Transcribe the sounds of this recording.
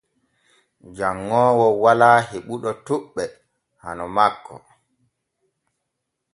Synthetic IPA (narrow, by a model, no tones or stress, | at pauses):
d͡ʒaŋːɔːwɔwalaːheɓuɗɔtuɓːɛ | ha̰nɔmakʰːɔ̰